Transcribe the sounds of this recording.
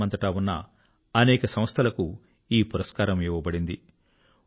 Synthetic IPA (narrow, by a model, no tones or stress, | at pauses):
ɐnt̪ɐʈaːunːɐ | ɐnɛːkɐsɐ̃m̃ɐst̪ʰɐlɐku | iːpuɾɐskaːɾɐmiːʋɐbɐɽind̪i